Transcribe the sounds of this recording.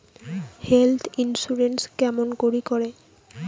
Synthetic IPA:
helt̪ʰinsuɾenskɛmonkoɾikoɾe

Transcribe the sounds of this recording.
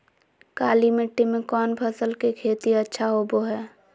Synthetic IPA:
kaːlimeʈːimẽkɔːnpʰəsəlkekʰeːt̪iɐtːʃʰaɦoːboɦɛː

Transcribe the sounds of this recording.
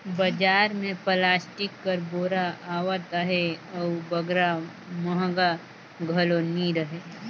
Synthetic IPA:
bɐd͡ʒaːɾmẽplaːsʈɪkːəɾboːɾaʔaːwət̪əɦeɔbɐɡɾa | məɦɡa | ɡʱɐloniɾəɦeː

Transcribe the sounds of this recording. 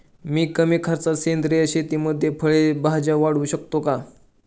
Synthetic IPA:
miːkəmiːkʰaɾt͡sasend̪ɾeəɕet̪iməd̪ʱjepʰəɭebaɦd͡ʑaʋaɽ̤uːɕəkt̪oka

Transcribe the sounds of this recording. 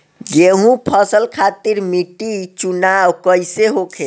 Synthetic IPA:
ɡeɦũpʰəsəlkʰat̪iɾmiʈit͡ʃunawkəjseɦokʰe

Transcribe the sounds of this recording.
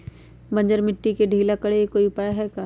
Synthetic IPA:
bɐ̃ɲd͡ʒəɾmɪʈːikeɖʱiːlakɐɽekoːiʊpaːjaɦɛkaː

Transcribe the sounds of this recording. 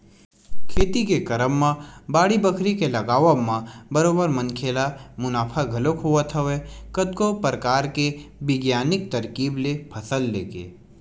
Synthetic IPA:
kʰeːt̪ikekɐɾəmːãbaːɽibəkʰɾikelɐɡaːʋəmãbɐɾoːbəɾmɐnkʰeːlamʊnaːpʰaɡʱɐlokɦoət̪ʰɦɛʋekɐd̪̚kopɾəkaːɾkebɪɡjaːnɪk̚t̪ɐɾkiːblepʰɐsəlːḛːkḛː

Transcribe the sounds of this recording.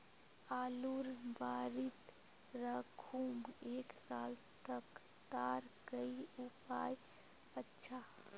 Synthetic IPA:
aːluɾbaːɾit̪ | ɾəkʰumeːksalt̪ək | t̪aɾkəiupa̰j | ətːʃʰa

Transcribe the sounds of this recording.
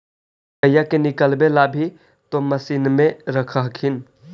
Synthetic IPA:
əjakenikəlbelabʱi | t̪oməsinmẽɾəkʰəɦkʰin

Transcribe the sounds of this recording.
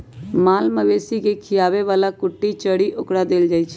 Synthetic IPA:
maːlməʋeːsikekʰɪjaːʋeʋaːlakʊʈːit͡ʃəɽiʔʊkɽad̪eːld͡ʒaːit͡ʃʰ

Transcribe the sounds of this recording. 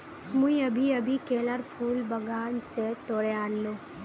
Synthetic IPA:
mũĩɐbʱiɐbʱikeːləɾpʰuːlbɐɡaːnset̪oːɽeaːnloː

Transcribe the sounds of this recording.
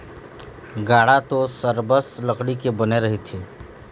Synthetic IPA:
ɡaːɽat̪osəɾbəsləkɽikebəneɾɐɦit̪ʰeː

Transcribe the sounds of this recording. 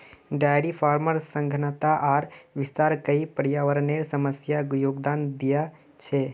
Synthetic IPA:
ɖajɽipʰaɾməɾsə̃ŋɡʱnət̪aʔaɾʋist̪aɾkəipəɾjaʋəɾneɾsəməsjaɡjoɡd̪and̪ija | t͡ʃʰɛ

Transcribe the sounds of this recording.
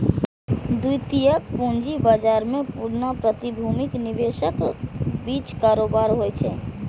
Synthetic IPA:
d̪ujt̪ijək̚pũːnd͡ʒibaːd͡ʒaːɾmẽpuːɾnapɾət̪ibʱuːmɪknɪʋeːʃəkbiːt͡ʃkaːɾoːbaːɾɦot͡ʃʰɛː

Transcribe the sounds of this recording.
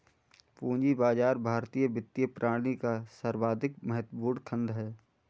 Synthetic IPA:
pũːɲd͡ʒibaːd͡ʒaːɾbʱaːɾt̪ijəbɪt̪ːijəpɾʔaːɽ̃ikasəɾbaːd̪ɪkməɦət̪wəbuːɾɽkʰə̃nd̪ɦɛː

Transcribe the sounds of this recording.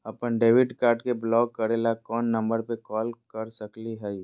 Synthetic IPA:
ɐpənɖeːʋɪɖkaːɾʈkeblɔːɡ̚kːɐɾelakɔːnːɐ̃mbəɾpekɔːlkɐɾsɐkliɦɛi

